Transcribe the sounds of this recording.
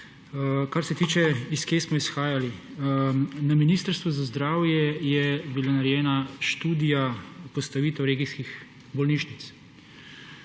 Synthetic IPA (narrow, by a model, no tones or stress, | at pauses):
kaɾsɛt̪iːt͡ʃɛiskeːsmɔisxaːjali | naminist̪əɾst̪ʋuzazd̪ɾaːwjɛjɛbilanaɾɛjɛːnaʃt̪uːd̪ijapɔst̪aʋiːt̪ɛwɾeːɡiskix | bɔlniːʃnit̪s